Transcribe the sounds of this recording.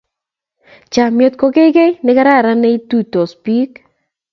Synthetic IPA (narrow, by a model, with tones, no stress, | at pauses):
t͡ʃa˨mjo˨t̪̚ko˦ke˦ɡe˦nɪ˦ka˦ɾa˦˨ɾa˦ne˦i˦tu˦to˨spi˦k